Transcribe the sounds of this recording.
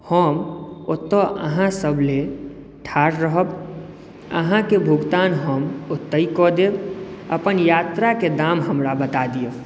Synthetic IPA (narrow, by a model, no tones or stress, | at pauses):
həmot̪ːəʔəɦãsəbʱle | ʈʰaːɾɾəɦəb | ə̰ɦãkebʱuɡt̪aːnɦəmot̪ːəikɔd̪eb̚ə̰pənjaːt̪ɾaked̪amɦəmɾabət̪ad̪ijə